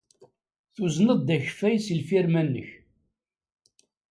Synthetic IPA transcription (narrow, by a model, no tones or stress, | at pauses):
θuznəðd̪æçfæjsəlfiɾmænːə̰ç